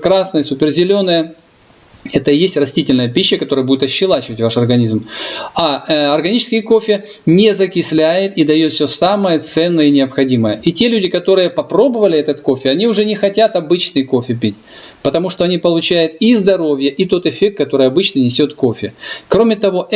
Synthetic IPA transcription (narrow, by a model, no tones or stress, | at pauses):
kɾasnəjəsʲʊpʲɪrzʲɪlʲo̞nːəjə | ɛt̪əjesʲtʲrɐsʲtʲitʲɪlʲnəjəpʲiɕːəkɐt̪o̞ɾəjəbudʲɪt̪ɐɕːɪlˠat͡ɕɪvətʲvaʂɐrɡɐnʲizmaɐrɡɐnʲit͡ɕɪskʲɪjəko̞fʲɪ | nʲezəkʲɪsʲlʲæjɪt̪id̪ɐjot̪fsʲosaməjət̪sɛnːəjənʲɪɐpxɐdʲiməjəʔitʲe̞lʲʉdʲɪkɐt̪o̞ɾɨjəpɐpɾo̞bəvəlʲɪɛt̪ət̪ko̞fʲɪɐnʲiʊʐɛnʲɪxɐtʲat̪ɐbɨt͡ɕnɨjko̞fʲɪpʲitʲ | pət̪ɐmuʂt̪oɐnʲipəlˠʊt͡ɕæjʊt̪izd̪ɐɾo̞vʲjəʔit̪o̞t̪ɨfʲek̚t̪kːɐt̪o̞ɾɨjɐbɨt͡ɕnɨnʲɪsʲot̪kofʲɪkɾo̞mʲɪt̪ɐvo̞ʔ